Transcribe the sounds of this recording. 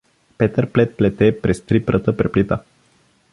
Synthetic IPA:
pɛt̪əɾplɛt̪̚plɛt̪ɛpɾɛst̪ɾipɾət̪əpɾɛplit̪ə

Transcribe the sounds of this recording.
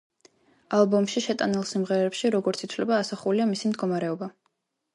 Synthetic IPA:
alˠbɔmʃiʃɛt̪ʼanilˠsimʁɛɾɛɛpʃiɾɔɡɔɾt̪sʰit̪ʰvlɛbaːsaχuliamisimd̪ɡɔmaɾɛɔba

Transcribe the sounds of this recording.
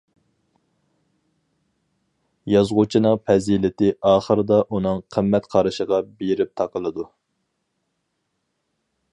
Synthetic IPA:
jɑzʁʊt͡ʃʰinɨŋpʰɛzilɪt̪ɪʔɑːχəɾɨd̪ɑʔunɨŋqʰəmːɛt̪qʰɑɾɨʃəʁɑbeɾɪp̚t̪ʰɑqʰəlˠɨd̪u

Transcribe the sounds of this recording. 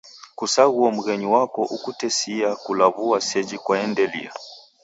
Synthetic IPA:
kusaɣuɔm̩ɣɛɲiwakɔʔukutɛsiakulaβuasɛd͡ʒikwaɛndɛlḭa

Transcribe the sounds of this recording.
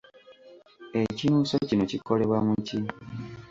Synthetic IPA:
e̞cinuːsocino̞cikʰo̞le̞βwamuci

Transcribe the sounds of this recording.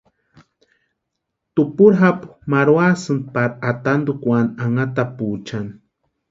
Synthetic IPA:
t̪upuɾɦapu̥maɾwasɨnd̪̚paɾat̪and̪ukʷanaŋat̪aput͡ʃan

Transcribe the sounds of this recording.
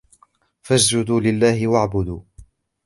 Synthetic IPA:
fasd͡ʒʊd̪uːlɪlːaːhɪwaʕbʊd̪uː

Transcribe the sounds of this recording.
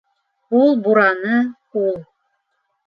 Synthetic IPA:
ulˠbuɾɑnɤ | ulˠ

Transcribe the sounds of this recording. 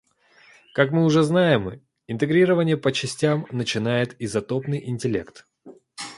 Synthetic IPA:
kakmɨʊʐɛznajɪm | ɪnt̪ɨɡɾʲiɾəvənʲɪjəpət͡ɕɪsʲtʲamnət͡ɕɪnajɪt̪ɪzɐt̪o̞pnɨjʔɪnʲtʲɪlʲe̞̰kt̪

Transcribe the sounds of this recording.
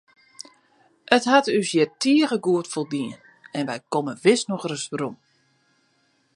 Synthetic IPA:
ətɦatysjɪtiəɣəɡuətfolˠdiən | ɛnʋɛjkoməʋɪsnɔxrəsrum

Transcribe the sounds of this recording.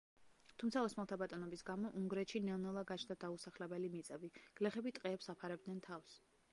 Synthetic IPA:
t̪ʰumt̪sʰaɔsmɛlˠt̪ʰabat̪ʼɔnɔbisɡamɔʔuŋɡɾɛt̪ʃinɛnɛlˠaɡat͡ʃʰnd̪ad̪ausaχlɛbɛlimit̪sʼɛbiɡ̥lɛχɛbit̪ʼqʼɛːpsapʰaɾɛb̚d̪nɛnt̪ʰafs

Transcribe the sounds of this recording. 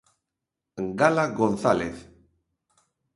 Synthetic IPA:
ŋɡalaɣonθalḛθ

